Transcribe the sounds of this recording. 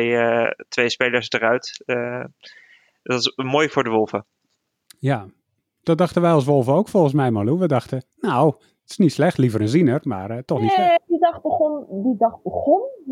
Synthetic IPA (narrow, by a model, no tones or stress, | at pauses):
tʋejspeːləɹsdərœɥt | dɔɪsmoːjfʊːɹdəʋolˠvə | ja | d̥ɔdɑxtəʋɛjɑlˠs̬ʋolˠvəoːwkfɔlˠxən̩s̬mɛjmaluʋədɑxtənow | tɪ̥snitslɛxtlivəɾənzinərmaːrtɔxniidɑxbəndidɑχbəχɔn